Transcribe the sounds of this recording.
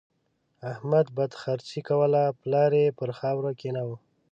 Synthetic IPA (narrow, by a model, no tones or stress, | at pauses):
ahmad̪̚bad̪xaɾt͡sikawəlaplɑɾepəɾxɑwɾakenawə